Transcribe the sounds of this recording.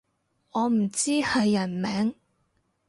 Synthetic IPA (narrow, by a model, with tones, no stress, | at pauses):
ɔː˨˧m̩˨˩t͡siː˥hɐ˨jːɐ˨˩nmɛː˨˥ŋ